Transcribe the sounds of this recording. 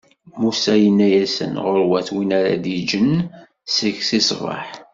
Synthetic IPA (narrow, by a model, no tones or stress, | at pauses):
musæjənːæjæsə̰nʁəɾwæθwinaɾæ̰d̪id͡ʒən | səçsisvˤɑ̰ħ